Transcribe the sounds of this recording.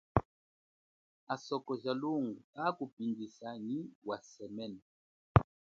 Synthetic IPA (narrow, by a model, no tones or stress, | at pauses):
asɔkɔʒaloŋɡuakupindisaniwasɛmɛn